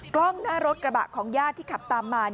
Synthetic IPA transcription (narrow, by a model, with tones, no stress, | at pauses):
klɔ˥˩ŋnaː˥˩ɾo˦˥t̪̚kɾa˧ba̰˨˩ʔkʰɔː˩˦ŋjaː˥˩t̪ʰːiː˥˩kʰa˨˩p̚t̪aː˧mːaː˧n